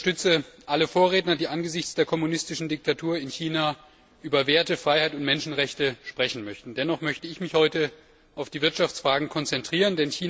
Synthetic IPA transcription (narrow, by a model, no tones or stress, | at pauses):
tʏt͡səʔaləfoːɐʁeːtnɐdiːʔanɡəzɪçt͡sd̥eːɐkʰɔmunɪstɪʃn̩dɪk̚tʰatʰuːɐɪnçiːna | ʔyːbɐveːɐtəfʁ̥aɪhaɪtʊntmɛnʃn̩ʁɛçtəʃpʁ̥ɛçn̩mœçtn̩dɛnɔχmœçtəɪçmɪçhɔʏtə | ʔaʊfd̥iːvɪɐtʃaft͡sfʁ̥aːɡŋ̩kʰɔnt͡sɛntʁ̥iːʁ̞əndɛnçiː